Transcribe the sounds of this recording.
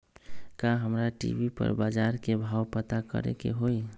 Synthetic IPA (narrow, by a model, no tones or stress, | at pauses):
kaɦəmɾaʈḭbipə̰ɾbad͡ʒaɾkebʱawpət̪akə̰ɾḛkḛɦoj